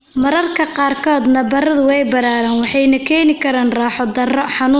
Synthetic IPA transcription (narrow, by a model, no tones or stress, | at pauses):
mɐɾɐrkʰɐqɑːrkʰɔːd̪nɐbɐɾɐðʊɛjbɐɾaːɾɐːnwɑħɑjnɐkʰɛːnɪkʰɐɾaːnraːħɔd̪ɐrɔħɑnuː